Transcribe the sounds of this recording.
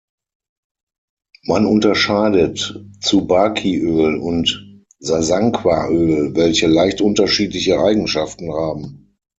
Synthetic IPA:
manʊntɐʃaːdətt͡subaːkʰiʔøːlʊnt | zazaŋkʰv̥aʔøːlvɛlçəlaɪçtʔʊntɐʃiːtlɪçəʔaɪɡŋ̩ʃaftn̩haːbm̩

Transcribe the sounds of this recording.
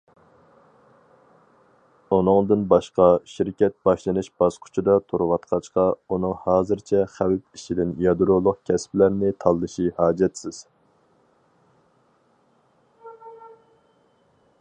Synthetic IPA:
unɨŋd̪ɨnbɑʃqɑʃiɾkʲɛt̪̚bɑʃlˠɨnɨʃb̥ɑz̥qʰʊ̥t͡ʃʰid̪ɑt̪ʰoɾwɑt̪qʰɑt͡ʃqɑunɨŋhɑːzɨɾt͡ʃʰɛχæwp̚iʃid̪ɪnjɑd̪ɾolˠʊq̚kʲʰɛsplæɾnɪt̪ʰɑlˠːɨʃihɑːd͡ʒɛt̪sɪz̥

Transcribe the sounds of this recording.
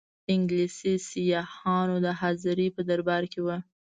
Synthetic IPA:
ɪŋɡlisisijɑhɑnod̪əɦɑzɪɾipəd̪aɾbɑɾkewə

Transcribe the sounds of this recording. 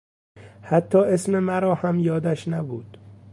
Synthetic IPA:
hæt̪ʰːɒːʔesmemæɾɒːhæmjɒːd̪æʃnæbṵːd̪̥

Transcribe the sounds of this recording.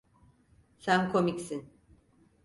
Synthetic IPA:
sænkʰo̞micsin

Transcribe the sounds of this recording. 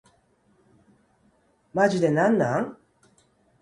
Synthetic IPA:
mad͡ʒid̪enanːaŋ

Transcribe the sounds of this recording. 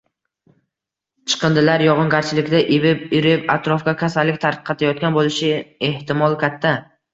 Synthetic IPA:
t͡ʃʰɨ̥qʰɨnd̪ɪlaɾjɒʁɨnɡʲaɾt͡ʃʰɪlɪkʲd̪aʔɪbɪpɪɾɪpat̪ɾɒfkʲakʲʰasalːɪkʲt̪ʰaɾqʰɑt̪ʰajɒt̪̚kʲanbolɪʃɪeht̪ɪmɒlˠkʲat̪ʰːa

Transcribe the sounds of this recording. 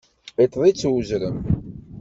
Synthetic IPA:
it̪ˤðˤit͡sːwzɾəm

